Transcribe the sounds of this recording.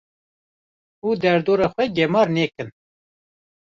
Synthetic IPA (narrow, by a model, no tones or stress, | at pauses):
uːd̪ɛɾd̪oːɾɑːxʷɛɡɛmɑːɾneːkɨn